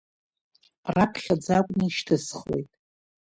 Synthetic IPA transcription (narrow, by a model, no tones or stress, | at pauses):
rapʰχʲad͡zakʷʼnɨʃtʰɨsχwe̞̰jtʼ